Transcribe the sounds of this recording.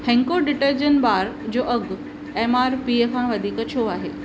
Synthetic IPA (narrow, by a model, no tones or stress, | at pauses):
hɛ̃ːŋkoɖɪʈəɾd͡ʑənbaːɾd͡ʑoːʔɐɡ | eːmaːɾpiːəkʰãʋɐd̪ʱiːkət͡ɕʰoːaːɦḛː